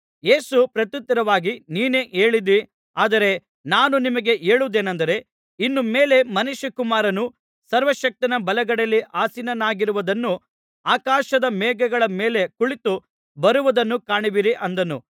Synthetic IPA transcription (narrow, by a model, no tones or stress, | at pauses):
je̞ːsupɾɐt̪jut̪ːɐɾɐʋaːɡiniːne̞ːʔeːɭid̪i | aːd̪ɐɾe̞ | naːnunimɐɡe̞ʔe̞ːɭud̪e̞ːnɐnd̪ɐɾe̞ | inːumeːle̞mɐnuʃjɐkumaːɾɐnu | sɐɾʋɐʃɐk̚t̪inɐbɐlɐɡɐɽɐlːiʔaːsinɐnaːɡiɾuʋɐd̪ɐnːu | aːkaːʃɐd̪ɐmɛːɡɐɡɐɭɐme̞ːle̞kuɭit̪u | bɐɾuʋɐd̪ɐnːukaːɳiʋiɾiʔɐnd̪ɐnṵ